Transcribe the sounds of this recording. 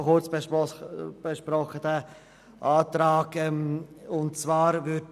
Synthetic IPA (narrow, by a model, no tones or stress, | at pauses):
χʊt͡sb | b̥ɛʃpɾɔχədɛ | ʔaːtɾaːkɛmʊntt͡svaːɾvʏ